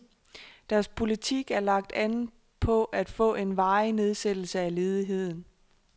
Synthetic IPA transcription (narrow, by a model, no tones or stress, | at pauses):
d̥æɐspʰo̝lit͡sʰiɡ̥æɐlɑ̈ɡ̥̚d̥æn̩ | pʰɒ̽ʔæd̥fɔ̰̽ːe̝nʋɑ̈ɪne̝ð̞ˠsed̥l̩səæle̝ːð̞ˠiɦe̝ð̞̰ˠn̩